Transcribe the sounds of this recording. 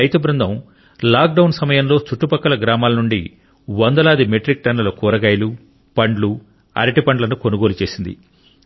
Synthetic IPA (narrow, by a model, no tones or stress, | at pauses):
ɐjt̪ɐbɾund̪ʱɐm | laːk̚ɖɐwnsɐmɐjɐmlo̞ːt͡ʃuʈːupɐkːɐlɐɡɾaːmaːlɐnuɳɖḭ | ʋɐnd̪ɐlaːd̪imeʈɾik̚ʈɐnːɐlokuːɾɐɡɐːjlu | pɐɳɖlu | ɐ̰ɾiʈipɐɳɖlɐnukonuɡo̞ːlut͡ʃe̞ːsind̪ḭ